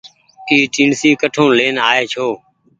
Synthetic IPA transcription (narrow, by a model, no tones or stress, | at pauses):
iːʈĩːɳsiːkəʈʰõːleːnaːeːt͡ʃʰoː